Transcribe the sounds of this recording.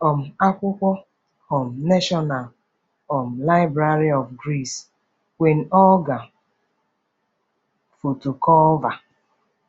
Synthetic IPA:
ɔ˨m̩˨a˦kʷʊ˦kʷɔ˦ | ɔ˨m̩˨ne˦ʃɔ˦na˨l | ɔ˨m̩˨la˦ɪ˦bɾa˨ɾi˦ɔ˨fɡɾi˦˨s | we˨n̩˨ɔ˦ɡa˨ | fo˨to˨kɔ˦va˨

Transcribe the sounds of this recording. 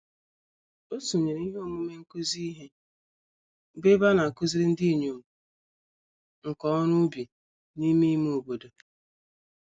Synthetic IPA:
o˦su˨ɲe˨ɾe˨˦i˦ɦe˦o˦˨mu˦me˦ŋ̩˦ku˦zi˦i˦ɦe˦ | be˦ba˦na˨ku˦zi˦ɾi˦n̩˦di˦˨ɲo˨m˨ | ŋ̩˨kɔ˨˦ɔ˦ɾʊ˦bi˨ | ni˦mi˦m˦o˨bo˨do˨

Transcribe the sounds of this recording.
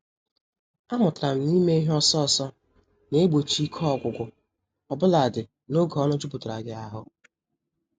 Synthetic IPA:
a˦mʊ˨tʊ˨ɾa˨m̩˨ni˦me˦i˦ɦɔ˦sɔ˦˨sɔ˦ | ne˦e˦ɡ͡bo˨t͡ʃi˦kʰɔ˦ɔ˦˨ɡʷʊ˨ɡʷʊ˨ | ɔ˨bʊ˦la˨dɪ˨ | no˦ɡɔ˦nʊ˦d͡ʒu˦pʊ˨tʊ˨ɾa˨ɡɪ˨a˦ɦʊ˦

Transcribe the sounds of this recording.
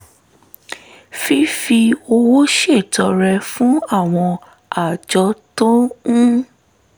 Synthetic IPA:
fi˦fi˧o˧wo˦ʃe˦˨tɔ˨˧ɾɛ˧fũ˨˦a˦˨w̃ɔ̃˧ | a˨d͡ʒɔ˧tõ˦ũ˦

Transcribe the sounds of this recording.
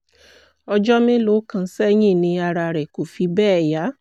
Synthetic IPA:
ɔ˧d͡ʒɔ˦mĩ˦lo˨˦kã˧˦sɛ˦j̃ĩ˦˨nĩ˧a˧ɾa˧ɾɛ˨ko˨fi˧bɛː˦˨ja˨˦

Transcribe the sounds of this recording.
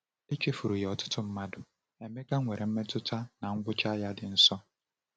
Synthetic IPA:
e˦t͡ʃe˦fu˨ɾu˨je˨ɔ˨tʊ̥˦tʊ˦m̩˦ma˦dʊ˨ | e˨me˦ɡa˦e˨ɾe˨m̩˦me˦tʊ˦tʰa˦na˨ŋ̩˦ɡʷʊ˦t͡ʃa˦ja˦dɪ˨n̩˦sɔ˦

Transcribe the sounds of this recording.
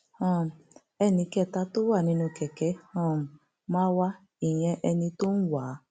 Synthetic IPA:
ɔ̃˦˨m̩˨ | ɛ˦˨nĩ˧kɛ˦˨ta˦to˦wa˦˨nĩ˧nũ˧kɛ˨kɛ˦ɔ̃˦˨m̩˨ | mã˦wa˦ | i˨jɛ̃˧ʔɛ˧nĩ˧to˦n̩˦waː˨˦

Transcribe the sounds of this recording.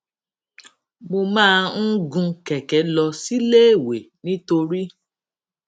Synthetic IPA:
mo˧mãː˦˧n̩˦ɡũ˧kɛ˨kɛ˨˦lɔ˧si˦leː˦˨we˨nĩ˦to˧ɾi˦

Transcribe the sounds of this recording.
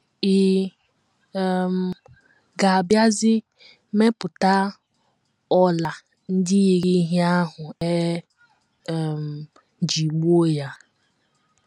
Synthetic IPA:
i˨ | m˨ | ɡa˨a˨bja˦zɪ˦ | me˦pʊ˨ta˦ | ɔ˦la˨ | n̩˦dɪ˦ji˨ɾi˦ɦi˦a˦ɦʊ˨e˦˨ | m˨˦ | d͡ʒi˨ɡ͡bo˦˨ja˦

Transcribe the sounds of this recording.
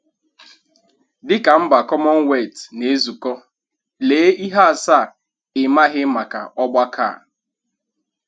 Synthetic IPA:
dɪ˦ka˨m̩˦ba˨kɔ˦mɔ˦ŋ˦we˦˨tne˨˦zu˨kɔ˦ | leː˨˦i˦ɦa˦a˨sa˦˨ | ɪ˨ma˦ɣɪ˦ma˨ka̰˨ʔɔ˦ɡ͡bʷa˦kʰa̰˦˨

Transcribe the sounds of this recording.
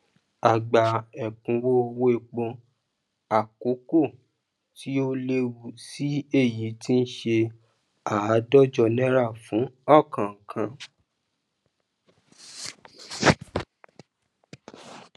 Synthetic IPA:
a˨ɡ͡ba˨ɛ˨k͡pũ˨˧wo˦o˧wo˦e˧k͡pɔ̃˧ | a˨ko˨˦ko˦˨ | ti˦o˦le˦wu˧si˦e˦˨ji˨˦ti˦n̩˦ʃe˧ | a˨a˨˦dɔ˦d͡ʒɔ˧nɛ̃˦ɾa˦˨fũ˨˦ɔ˦˨kã˨ŋ̩˨kʰã˧˦

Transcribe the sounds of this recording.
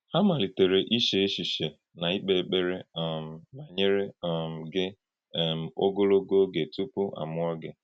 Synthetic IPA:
ha˦ma˨li˨te˨ɾe˨ʔi˦ʃe˦e˦ʃi˨ʃe˨ | na˨i˦k͡pe˨e˨k͡pe˦ɾe˦˨m̩˨na˨ɲe˦ɾe˦m̩˨ɡɪ˦˨ | m̩˨o˦ɡo˦lo˦ɡo˦ɡe˨tu˦pu˦ʔa̰˨mʊ˦ɔ˦ɡɪ˦

